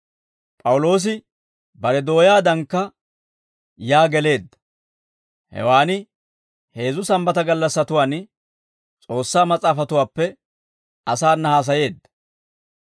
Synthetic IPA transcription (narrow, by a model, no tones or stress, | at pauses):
pʼɐwʊlo̞ːs̬ɪ | bɐɾɛd̪o̞ːjaːd̪ɐŋkːɐ | jaːɡɛle̞ːd̪ːɐ̥ | hɛ̰waːnɪ | he̞ːzʊsɐmbɐt̪ɐɡɐlːɐsːɐt̪ʊwaːn | t͡sʼo̞ːsːaːmɐt͡sʼaːfɐt̪ʊwaːpːɛ | ɐsaːnːɐhaːs̬ɐje̞ːd̪ːɐ̥